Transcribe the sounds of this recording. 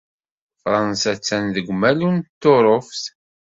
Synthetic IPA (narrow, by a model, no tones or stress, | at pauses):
fɾˤɑnsæt͡sːænðəɡʷmælunt̪ːoɾˤofθ